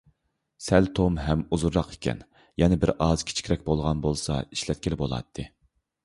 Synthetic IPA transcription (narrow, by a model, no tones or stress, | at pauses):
sɛlt̪ʰomɦɛmuzuɾːɑqʰe̥kʲʰɛ̰n | jɛnɪbɪɾʔɑz̥kʲʰi̥t͡ʃʰi̥kʲɾɛkʲbolˠʁɑnbolˠsɑ̰iʃlɛt̪̚kʲilɪbolˠɑ̰t̪ʰːɨ